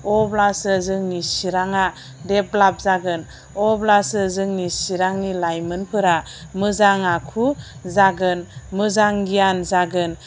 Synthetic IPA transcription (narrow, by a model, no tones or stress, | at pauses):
ɔblasɯzɯŋnisiɾaŋa | dep̚lap̚zaɡɯn | ɔblasɯzɯŋnisiɾaŋnilajmɯnpʰɯɾamɯzaŋakʰuzaɡɯnmɯzaŋɡijanzaɡɯn